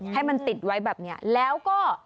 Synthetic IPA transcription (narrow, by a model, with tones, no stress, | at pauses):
ha˥˩jma˧nt̪i˨˩t̪̚wa˦˥jbɛː˨˩p̚ni˦˥ɐlɛː˦˥wkɔː˥˩